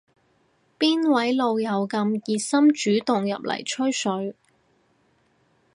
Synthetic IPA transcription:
piː˥nwɐ˨˥jlo˨˧wjɐ˨˧wkɐ˧mjiː˨sɐ˥mt͡ʃyː˨˥t̪ʊ˨ŋjɐ̰˨p̚lɐ̰˨˩jt͡ʃʰɵ˥ɥsɵ˨˥ɥ

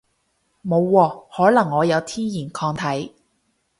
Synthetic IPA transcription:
mo˨˧wːɔː˧hɔː˨˥lɐ˨˩ŋːɔː˨˧jɐ˨˧wt̪ʰiː˥jiː˨˩nkʰɔː˧ŋt̪ʰɐ˨˥j

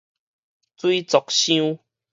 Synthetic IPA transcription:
t͡swi˦t͡sɔ˨k̚ɕjiũ˦

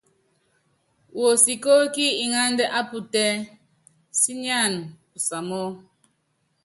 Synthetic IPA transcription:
wo˨si˨ko˦ki˦i˨ŋa˦ndɛ˦ʔa˦pu˦tɛ˦ | si˦na˦˨npu˨sa˨mo˦

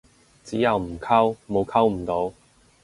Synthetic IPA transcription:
t͡si˨˥ja˨˧wm̩˨˩kʰa˥˧wmo˨˧wkʰa˥wm̩˨˩t̪o˨˧˦w

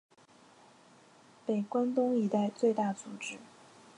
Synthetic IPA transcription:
pe˨˩ɪkwa˥nt̪ʊ˥ŋi˧˥t̪a˥˧ɪt͡swe˥˧ɪt̪a˥˩t͡su˨˩ʈ͡ʂɻ̩˥

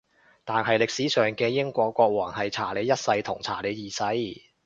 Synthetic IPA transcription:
t̪aː˨nɦɐ˨jlɪ˨k̚siː˨˥sœː˨˩ŋkɛː˧jɪ˥ŋkʷɔː˧kːʷɔː˧k̚wɔː˨˩ŋɦɐ˨jt͡sʰaː˨˩le˨˧jɐ˥t̚sɐ˧jt̪ʰʊ˨˩ŋt͡sʰa̰ː˨˩le˨˧jjiː˨˩sɐ˨˥j

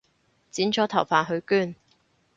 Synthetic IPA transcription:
t͡siː˨˥nt͡ʃʰɔː˨˥t̪ʰɐ˨˩wfaː˨nɦɵ˨˧ɥkyː˥n

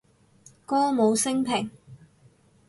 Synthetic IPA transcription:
kɔː˥mo˨˧wsɪ˥ŋpʰɪ˨˩ŋ

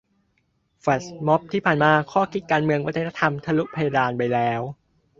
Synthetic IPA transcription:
fa˨˩smɔ˦˥p̚t̪ʰiː˥˩pʰaː˨˩nmaː˧kʰɔː˥˩kʰi˦t̪̚kaː˧nmɯ˧əŋwa˦˥t̪ʰe˦˥t̪a˧t̪ʰa˧mt̪ʰa˧lu˦˥ʔpʰa˧ja˧daː˧npa˧jlɛː˦˥w

